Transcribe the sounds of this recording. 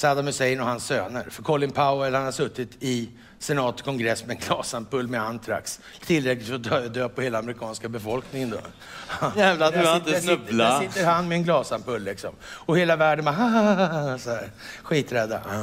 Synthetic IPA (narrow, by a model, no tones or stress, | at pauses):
saːd̪amɵsɛjnɔhansːøːnə̰ɾfœɾkʰɔlɪnpʰaʊɛlhanhaɾʂɵt̪ːɪt̪ʰɪ | sɛnɑːt̪kʰɔŋɡɾɛsːmɛɛnɡlɑːsampɵlːmɛant̪ʰɾa̰ks | t̪ʰɪlɾɛklɪt̪fɾɔd̪d̪øːpɔheːlaːmɾɪkʰɑːnskabɛfɔlknɪŋənd̪o̰ː | jæːvlad̪vaɪt̪ənɵblaɪt̪ːəɾhanːmɛːnɡlɑːsampɵlːɪksɔ̰mɔheːlavæːɖənbaɦa | sɔhæːɾ | ɧiːt̪ɾɛd̪ːa̰